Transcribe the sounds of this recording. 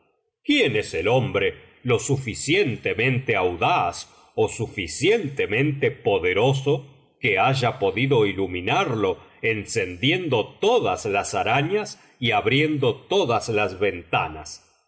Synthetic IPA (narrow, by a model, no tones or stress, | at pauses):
kjeneselo̞mbɾe | lo̞sufisjent̪emẽ̞nt̪eawðas | osufisjent̪emẽ̞nt̪epoðeɾoso | keaʒapo̞ðiðo̞ilumĩnaɾlo̞ensend̪je̞nd̪o̞t̪oðaslasaɾaɲas | iaβɾje̞nd̪o̞t̪oðaslazβe̞nt̪a̰nas